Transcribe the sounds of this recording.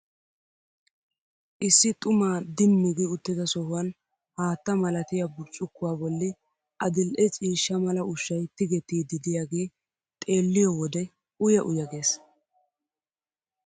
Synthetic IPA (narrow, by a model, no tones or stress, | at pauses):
ʔɪsːɪt̪ʼʊmaːd̪ɪnːʊɡɪʊt̪ːɪd̪ɐsɔhʊwɐn | haːt̪ːɐmɐlɐt̪ɪjɐbʊɾt͡ʃʼːʊkːʊwaːbɔlːɪ | ʔɐd̪ɪlʔɛt͡ʃʼiːʃːɐmɐlɐʔʊʃːɐjt̪ɪɡɛt̪ːiːd̪ɪd̪ɪjaːɡeː | t̪ʼe̞ːlːɪjɔwɔd̪ɛ | ʊjɐʔʊjɐɡe̞ːs